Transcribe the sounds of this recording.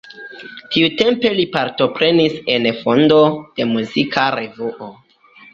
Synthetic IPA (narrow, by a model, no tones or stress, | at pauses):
tiute̞mpe̞lipaɾto̞pɾe̞nise̞nfondo̞d̥e̞muzikʰaɾe̞vuʔo